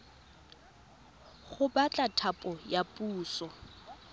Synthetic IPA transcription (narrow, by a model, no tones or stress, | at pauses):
ɣʊbat͡ɬʼatʰapʼɔjapʼuːsɔ